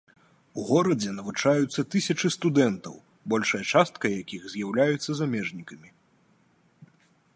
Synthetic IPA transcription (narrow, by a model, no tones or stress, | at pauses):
uɣɔɾɐd͡zʲɛnɐvut͡ʂajut̪sːɐt̪ɨsʲɐt͡ʂɨst̪ud̪ɛnt̪ɐ̰w | bɔlʲʂɐjɐt͡ʂast̪kɐjakʲiɣzʲjawlʲajut̪sːɐzamʲɛʐnʲikɐmʲi